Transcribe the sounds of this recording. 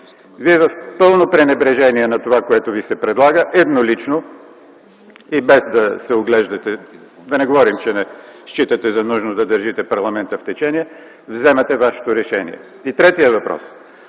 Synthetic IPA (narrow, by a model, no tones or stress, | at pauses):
viɛvɐfpɤlˠnopɾɛnɛbɾɛʒɛniɛnɐt̪ovakoɛt̪ovisɛpɾɛd̪lˠaɡəʔɛd̪nolit͡ʃno | ibɛzd̪ɐsɛoɡlɛʒd̪ɐt̪ɛ | d̪ɐnɛɡovɔɾimt͡ʃɛnɛʃt͡ʃit̪ɐt̪ɛzɐnuʒnod̪ɐd̪əɾʒit̪ɛpɐɾlˠɐmɛnt̪əft̪ɛt͡ʃɛniɛ | vzɛmɛt̪ɛvaʃɛ̥t̪oɾɛʃɛnḭɛ̰ | it̪ɾɛt̪iəvɐpɾɔ̰s